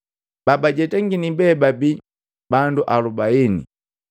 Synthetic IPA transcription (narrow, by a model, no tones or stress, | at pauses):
b̥abaɟɛtɛŋɡinibɛbabi | banduʔalubainḭ